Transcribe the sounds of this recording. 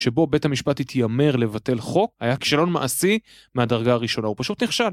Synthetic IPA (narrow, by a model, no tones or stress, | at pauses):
ʃe̞bo̞be̞thamiʃpatit̪ʰjame̞ʁle̞vate̞lχo̞kajaki̥ʃalo̞nmaʔasi | meadaʁɡaːʁiʃo̞naupaʃut̪niχʃal